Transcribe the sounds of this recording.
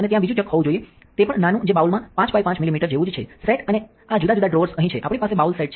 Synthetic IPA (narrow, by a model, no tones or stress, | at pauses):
ənet̪jãbid͡ʒũt͡ʃəkɦɔʋũd͡ʒoie | t̪epəɳnanũd͡ʒebaulmãpãt͡ʃpajpãt͡ʃmilimiʈəɾd͡ʒeʋũd͡ʒt͡ʃʰefɾeʈəne | ad͡ʒud̪ad͡ʒud̪ʱaɖɾoʋəɾsəɦĩt͡ʃʰeʔapɳ̃ipasebaulsaiʈt͡ʃʰ